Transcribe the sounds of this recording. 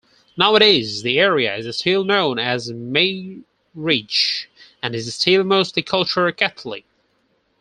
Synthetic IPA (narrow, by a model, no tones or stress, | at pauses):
naʊɨɾɪzðiɛɹiɨ̰ɪzɨstilˠnõʊ̃nɨzmeɪ | ɹit͡ʃɨ̃nɨzɨstʰilmoʊstˡlikʰʌlˠt͡ʃə˞kʰæθʰl̩ˠḭ